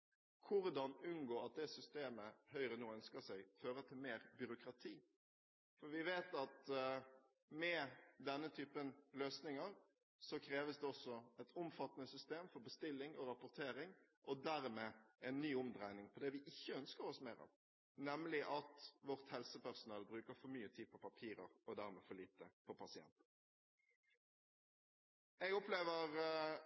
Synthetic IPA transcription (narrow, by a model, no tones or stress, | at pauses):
kʰʊɾd̪ɑnʉnɡoːɾɑt̪̚d̪ɛsʏst̪eːməhœʏɾənuːœnskəsæɪføːɾət̪ʰɪlmeːɾbʏɾʊkɾɑt̪ʰiː | fɔɾʋɪʋeːt̪ɑt̪ | mɛd̪ɛnːət̪ʰyːpənløːsnɪŋəɾ | sɔkʰɾeːʋəsd̪ɛɔsɔɛt̪ʊmfɑt̪ːənəsʏst̪eːmfɔɾbəst̪ɪlːɪŋɔɾɑpʊɾt̪ʰeːɾɪŋ | ʔɔd̪æɾmeːɛɪnːyːʊmd̪ɾæɪnɪŋpʰɔd̪ɛʋɪʔɪçːəœnskəɾɔsmæːɾɑ̰ːʋ | nɛmlɪʔɑt̪ʋɔʁt̪hɛlsəpæʁsʊnɑːlbɾʉːkəɾfɔɾmyːət̪ʰiːd̪̚pʰɔpɑpʰiːɾəɾɔd̪æɾmḛːfɔliːt̪əpɔpʰɑsɪɛ̰nt̪ | ɛɡʊpleːʋəʁ